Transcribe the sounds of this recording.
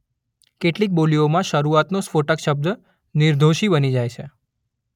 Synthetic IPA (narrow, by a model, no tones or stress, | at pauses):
keʈlik̚boliomãʃəɾuat̪nospoʈəkʃəb̚d̪ | niɾd̪ʱoʃibənid͡ʒajt͡ʃʰe